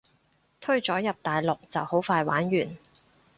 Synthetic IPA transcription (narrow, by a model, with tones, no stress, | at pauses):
t̪ʰɵ˥ɥt͡ʃɔː˨˥jɐ˨p̚t̪aː˨jlʊ˨k̚t͡sɐ˨who˨˥wfaː˧jwaː˨˥nɥyː˨˩n